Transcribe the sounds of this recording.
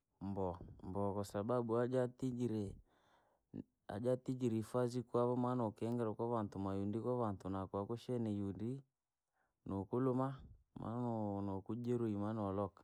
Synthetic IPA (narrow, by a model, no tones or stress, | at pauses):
mbɔmbɔkasabaɓuaatiɾɛ | a̰d͡ʒatid͡ʒiɾifazikwaβɔmanɔkɛŋɡɛɾɔkaβantumajundikɔβantunakwakuʃɛnijundi | nokuluma | mʔa̰nɔnɔkud͡ʒɛɾuimanɔlɔkḁ